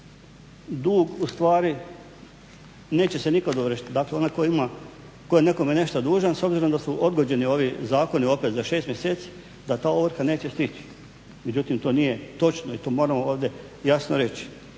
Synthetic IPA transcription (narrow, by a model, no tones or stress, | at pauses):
d̪uːɡust̪ʋaːɾi | ne̞ːt͡ɕe̞se̞nikad̪oʋɾ̩ʃi̥t̪d̪akleo̞nakoima | kojene̞komjene̞ʃt̪ad̪uːʒanso̞bziɾo̞md̪asuʔo̞d̪ɡod͡ʑe̞nio̞ʋizaːko̞nio̞pet̪zaʃest̪mjese̞ːt̪si̥ | d̪at̪aːoʋɾ̩kane̞ːt͡ɕe̞st̪it͡ɕi̥ | med͡ʑut̪imt̪o̞ːnije̞t̪o̞t͡ʃnoit̪o̞ːmo̞ːɾamooːʋd̪je̞ | jasnoɾe̞t͡ɕi̥